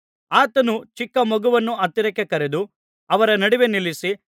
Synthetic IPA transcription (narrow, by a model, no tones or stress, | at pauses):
aːt̪ɐnut͡ʃikːɐmɔɡuʋɐnːuɐt̪ːiɾɐkːekɐɾed̪u | ɐʋɐɾɐnɐɽiʋe̞nilːisi